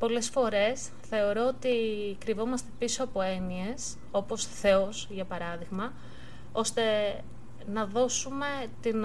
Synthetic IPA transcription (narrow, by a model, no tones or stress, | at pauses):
po̞le̞sfo̞ɾe̞s | θe̞o̞ɾo̞ot̪ikɾivo̞mɐst̪e̞piso̞ɐpo̞e̞nie̞s | o̞po̞sθe̞osʝɐpɐɾɐðiɣmɐ | o̞st̪e̞ | nɐðo̞sume̞t̪in